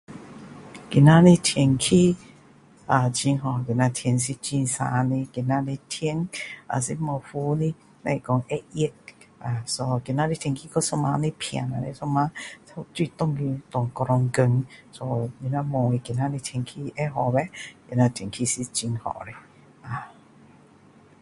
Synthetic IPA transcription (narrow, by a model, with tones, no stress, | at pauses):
ki˨nã˦ni˧tʰjɛ˨˩nkʰi˦ | a˧˨t͡ɕi˧ŋɦɔ˨ki˨˩nã˧t̪ʰjɛ˧ns̬i˧t͡ɕi˧nsã̰˧˨˧ni˧ki˨˩nã˦˧ni˧tʰe˧˦na̰˨sḭ˧mɔ̃˧fu˧˦li˦ | nã˧i˨kɔ˧ŋɛ˦i˧˦t̚ | a˨sɔ˧ki˧nã˧li˦˧t̪ʰjɛ˧ŋkʰi˧kɔ˦sɔ˦˧mã˧˦ni˧pʰã̰˨˩na˧˨ne˧sɔ˧˦mã˧˦ta˧twi˦˧˨t̪ɔ̃˥˧˨ŋɡi˧t̪ɔ˨ŋkɔ˧ɾɔ˧ŋɡə˧ŋsɔ˧˦i˧nã˧mɔ̃˧i˧ki˨˧nã˧li˧t̪ʰjɛ˧ŋkʰi˦˧ɛ˦ɦɔ˨bɛ˦ki˨˧˨nã˧t̪ʰɛ˨ŋkʰi˧si˧t͡ɕi˧ŋhɔ̰˨ɾe˧ | a˨